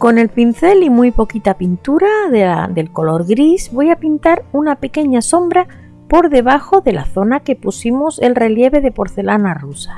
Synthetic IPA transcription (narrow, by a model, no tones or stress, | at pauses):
ko̞ne̞lpin̟θe̞limujpo̞kit̪apint̪uɾaðaðe̞lko̞lo̞ɾɣɾizβo̞japint̪aɾunape̞ke̞ɲaso̞mbɾa | po̞ɾðe̞β̞axo̞ðe̞la̰θo̞nake̞pusimoselre̞lje̞β̞e̞ð̞e̞po̞ɾθe̞lanarusa